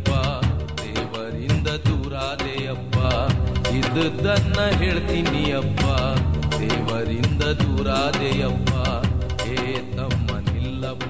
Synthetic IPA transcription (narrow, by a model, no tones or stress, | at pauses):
pːad̪ɛːʋɐɾind̪ɐd̪uːɾaːd̪ejɐpːaid̪d̪ɐnːɐɦeːɭt̪inijɐpːad̪ɛːʋɐɾind̪ɐd̪uːɾaːd̪ejɐpːɐ | eː | t̪ɐmːɐnilːɐ